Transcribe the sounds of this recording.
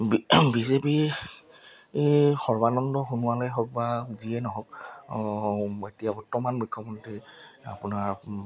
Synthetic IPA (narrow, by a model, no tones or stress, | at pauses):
bizepi | xɔɹbanɔndɔxunʊwalɛɦɔk̚baziɛnɔɦɔk | etijabɔtːɔmanmujkʰːɔmɔntɹia̰punaɹ